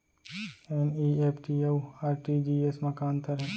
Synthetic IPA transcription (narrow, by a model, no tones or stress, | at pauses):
eniːeːpʰʈiewaːɾʈid͡ʒiːesmɐkaːnt̪əɾɦɛ̃ː